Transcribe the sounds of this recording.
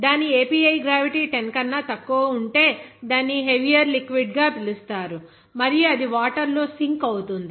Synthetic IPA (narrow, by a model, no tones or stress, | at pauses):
d̪aːnieːpiːɐjɡɾaːʋiʈiːʈenkɐnːat̪ɐkːuʋɐuɳʈe̞ːd̪aːnːiɦeʋijɐɾlikʋiɖɡaːpilust̪aːɾu | mɐɾijuɐd̪iʋaːʈɐɾloːsiŋkɐwut̪und̪i